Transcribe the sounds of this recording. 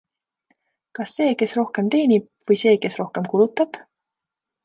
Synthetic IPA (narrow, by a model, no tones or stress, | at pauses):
kɑsːe̞ːke̞sro̞hke̞mt̪e̞ːnib̥̚vɤjse̞ːke̞sro̞hke̞mkulut̪ːˑɑb̥